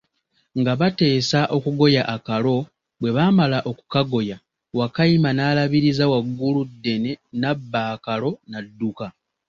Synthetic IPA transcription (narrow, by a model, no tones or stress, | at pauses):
ŋɡaβate̞ːsaʔo̞kuɡo̞jaʔakalo̞ | bwe̞βaːmalaʔo̞ku̥kaɡo̞ja | wakaimanaːlaβiɾizawaɡːuludːe̞ne̞nabːaːkalo̞nadːuka